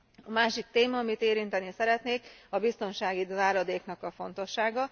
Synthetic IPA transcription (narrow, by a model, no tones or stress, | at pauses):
ɒmaːʃik̚t̪eːmɒɒmit̪eːɾint̪ɛnisɛɾɛt̪neːkɒbist̪o̞nʃaːɡizaːɾɒd̪eːknɒkɒfo̞n̪t̪o̞ʃːaːɡɒ